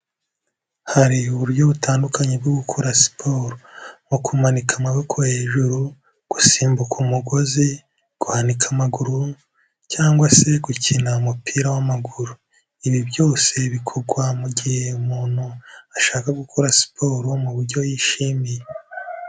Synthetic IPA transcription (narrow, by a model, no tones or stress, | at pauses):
haɾiuβuɾɟo̞βutaːndukaɲeb̚ɡoɡukʰuɾasi̥pʰo̞ːɾomukʰumanikʰamaβokʰohe̞ːʒuɾu | ɡ̥usiːmbukʰumuɡo̞zi | ɡ̥uhanikʰamaɡuɾu | caːŋɡwase̞ɡucinaumupʰiːɾawamaɡuɾu | iβiβjo̞ːse̞βikʰoɾɡwamuɟihe̞umuːn̥huaʃaːkaɡukʰuɾasi̥pʰoɾomuβuɾɟo̞jiʃiːmije